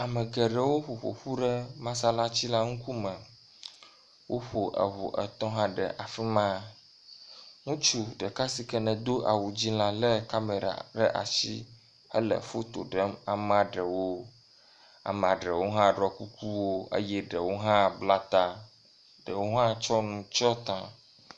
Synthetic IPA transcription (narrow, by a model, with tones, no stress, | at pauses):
a˨mə˨ɡɛ˨ɖə˨wo˦ɸo˨ɸo̰˨ɸu˦ɖɛ˦mã˦s̬a˦la˦t͡ɕi˦la˦ŋũ˦ku˦mə̃˨ | wʔo˦ɸo˨ʔə̰˨ɦo̰˨ʔɛ̰˨t̪ɔ̃˦ɦã˦ɖɛ̰˨ʔa˨fi˦mã˦ | ŋũ˦t͡ʃu˨ɖə˨ka˦si˨kɛ˦nɛ̃˨d̪o˦ʔa̰˨wu˨d͡ʑi˦lã˨lɛ˦ka˦me˨ɾa̰˨ɖɛ˦ʔa̰˨ʃḭ˦ | ə˦lə̰˨fo˦t̪o̰˨ɖɛ˦ma˨m˦a˨ɖɛ˨wo˦ | a̰˨m˨a˨ɖɛ˨wo˦ɦã˦ɖɾɔ˨ku˦ku˦wo˦ə̰˦jɛ˦ɖɛ˨wo˦ɦã˦bla˦t̪a˦ | ɖɛ˨wo˦ɦã˦t͡ʃɔ˦nũ˨t͡ʃɔ˦t̪ã˨